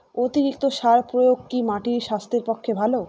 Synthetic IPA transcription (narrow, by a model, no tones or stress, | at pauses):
ot̪iɾik̚t̪oʃaɾpɾojoɡ̚kimaʈiɾʃast̪eɾpokʰːebʱalo